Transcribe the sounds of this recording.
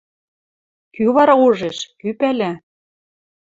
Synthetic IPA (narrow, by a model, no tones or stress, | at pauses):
kyβɑɾɑuʒeʃkypælæ